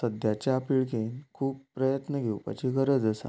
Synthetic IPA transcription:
səd̪jat͡ɕjaːpiɭkenkʰuːppːɾəjət̪nəɡʱewpa̰t͡ɕiːɡəɾəd͡zəsa̰

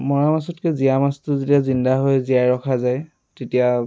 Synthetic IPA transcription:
mɔɹamasɔtkɛzijamastʊzetiazindaɦojzijajɹɔkʰazaj | tetija

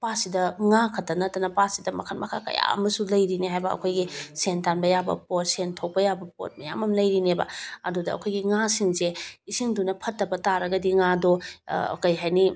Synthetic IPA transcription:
pasidɐŋakʰɐtːɐnɐtɐnɐpasidɐmɐ̰kʰɐnmɐ̰kʰa̰kɐ̰ja̰ɐ̰mɐsulɐjɾiniɦajbɐ̰ːkʰojɡisentanbɐjabɐ̰pot̚sentʰok̚pɐjabɐpo̰t̚mɐja̰mɐmlɐjɾinebɐ̰ɐ̰dudɐɐ̰kʰojɡiŋasiŋseisiŋdunɐpʰɐtːɐbɐtaɾɐɡɐdiŋado̰kɐjɦajni

